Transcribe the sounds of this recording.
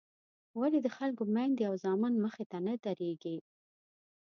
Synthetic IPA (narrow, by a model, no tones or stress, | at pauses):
walid̪əxalkomajnd̪awzɑmənməxet̪anad̪aɾeɡi